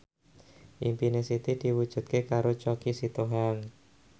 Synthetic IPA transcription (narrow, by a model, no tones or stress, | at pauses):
ʔimpinɛsit̪id̪̥i̤wud̥ʒ̥ṳt̪̚kekaɾot͡ʃɔkisit̪oɦaŋ